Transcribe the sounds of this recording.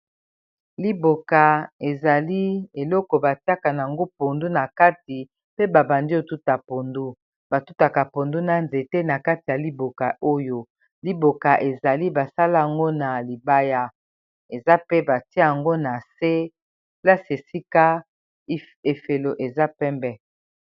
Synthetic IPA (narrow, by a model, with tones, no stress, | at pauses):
li˦bo˨ka˨e˨za˨li˦e˨lɔ˦kɔ˨ba˨ti˦a˦ka˨na˨a˨ŋɡo˦po˨ndu˦na˨ka˦ti˨ | pe˦ba˨ba˨ndi˦o˨tu˦ta˨po˨ndu˦ | b̥a˨tu˦ta˨ka˨po˨ndu˦na˨nze˨te˦na˨ka˦ti˨ja˨li˦bo˨ka˨ʔo˦jo˦ | li˦bo˨ka˨ʔe˨za˨li˦ba˨sa˦la˦a˨ŋɡo˦na˨li˨ba˦ja˦ | e˨za˦pe˦ba˨ti˦ja˨ŋɡo˦na˨se˦ | la˦si˨e˨si˦ka˦ | e˨fe˨lo˨ʔe˨za˦pɛ˦mbɛ˦